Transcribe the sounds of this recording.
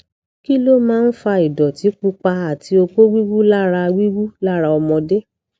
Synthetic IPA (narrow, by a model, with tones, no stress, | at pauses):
ki˦lo˦mãː˦n̩˦fa˧i˨dɔ˨ti˨˦k͡pu˧k͡pa˧a˨ti˨˦o˧ko˦wi˦wu˦la˦˨ɾa˧wi˦wu˦la˦˨ɾa˧ɔ˧mɔ̃˧de˦